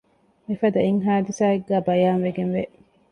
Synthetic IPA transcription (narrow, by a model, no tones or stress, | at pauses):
mifɐd̪ɐiŋɦaːd̪isaːeɡːæːbɐjaːnʋeɡenʋeʔ